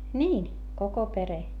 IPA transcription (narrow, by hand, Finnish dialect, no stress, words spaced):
niːn koko pere